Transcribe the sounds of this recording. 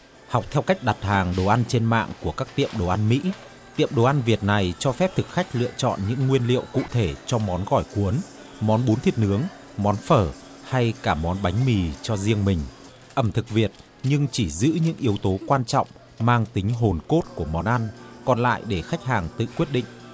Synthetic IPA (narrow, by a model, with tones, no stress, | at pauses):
ha˨˩wk͡p̚t̪ʰɛ˧wka˦˥jk̟̚ɗa˨˩t̚haː˨˩ŋɗo˨˩ʔa˧nt͡ɕe˧nma̰ː˧˨ŋku˧˩əkaː˦˥k̚t̪ḭ˧˨əmɗo˨˩ʔa˧nmḭ˧˥ | t̪ḭ˧˨əmɗo˨˩ʔa˧nvi˨˩ət̚na˨˩jt͡ɕɔ˧fɛ˦˥p̚t̪ʰɨ˨˩k̚xa˦˥jk̟̚lɨ̰˧ət͡ɕɔ̰˧˨nɲɨ̰˧˥ŋːwi˧ənlḭ˧˨əwkṵ˧˨t̪ʰe˧˩t͡ɕɔ˧mɔ˨˦nɣɔ˧˩jku˨˦ən | mɔ˨˦nɓu˨˦nt̪ʰi˨˦ət̚hɨ˨˦əŋ | mɔ˨˦nfəː˧˩ | ha˧jkaː˧˩mɔ˨˦nɓa˨˦jŋ̟mi˨˩t͡ɕɔ˧zi˧əŋmï˨˩ŋ̟ | ʔə˧˩mt̪ʰɨ˨˩k̚vi˨˩ət̚ | ɲɨ˧ŋt͡ɕi˧˩zɨ̰˧˥ɲɨ̰˧˥ŋʔi˨˦əwt̪o˨˦kwaː˧nt͡ɕɔ̰˧˨wŋ͡m | maː˧ŋt̪ï˨˦ŋ̟ɦo˨˩nko˦˥t̚ku˧˩əmɔ˨˦nʔa˧nkɔ˨˩nla̰ː˧˨jɗe˧˩xa˦˥jk̟̚ɦhaː˨˩ŋt̪ɨ̰˧˨kwi˦˥ət̚ɗḭ̈˧˨ŋ̟ʔ